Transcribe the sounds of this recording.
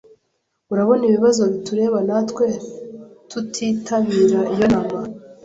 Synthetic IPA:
uɾaβo̞niβiβazo̞βituɾe̞ːβanatwe̞ɾtutʰiːtʰaβiːɾaʔijo̞naman

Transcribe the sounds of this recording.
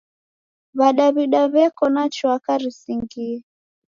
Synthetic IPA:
βaɗaβiɗaβɛkɔnat͡ʃwakaɾisiŋɡiɛ

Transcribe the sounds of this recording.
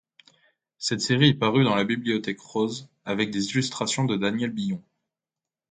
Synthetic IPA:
sɛt̪seʁiɛpaʁyd̪ɑ̃labibliɔt̪ɛkχoz | avɛk̚d̪ezilyst̪χasjɔ̃d̪əd̪anjɛlbijɔ̃

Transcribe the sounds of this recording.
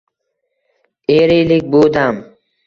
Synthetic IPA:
eɾilik̚ʲbud̪am

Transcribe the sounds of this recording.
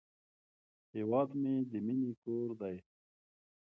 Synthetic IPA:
heːwɑːd̪med̪iminikoːɾd̪aj

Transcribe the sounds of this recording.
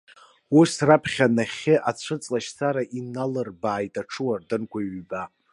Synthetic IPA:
usrapʰχʲanaχʲɪʔat͡sʷʰɨt͡sʼlaʃsaɾaʔinalɨrbaːjtʼaʈ͡ʂʰɨwardɨnkʷʰaiɥba

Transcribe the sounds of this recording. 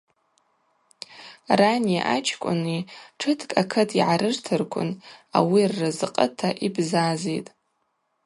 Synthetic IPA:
rania̰ʔat͡ʃʰkʷʼʊ̰niʈ͡ʂʰɨtʰkʼakʰɨtʰiʕaɾɨrtʰɨrkʷʰʊ̰na̰wirːɨzɨqʼətʰaʔibzazejtʼ

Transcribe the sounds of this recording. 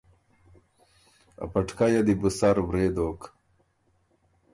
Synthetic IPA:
ɐ̰pɐʈkajɐd̪ibusaɾwɾeːd̪oːk

